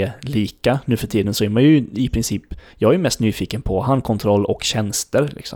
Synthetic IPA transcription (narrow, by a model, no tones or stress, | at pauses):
liːkanʉ̟ːfœʈʰiːd̪ənsɔæɾmanjɵɪpʰɾɪnsiːpːjɑɡɛjɵmɛst̪nyːfiːkənpʰɔɦankʰɔnt̪ʰɾɔlːɔkɕɛnst̪əɾlɪ̰ksɔ̰m